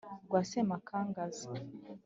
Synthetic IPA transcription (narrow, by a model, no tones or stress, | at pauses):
ɡwasemakʰaːŋɡaza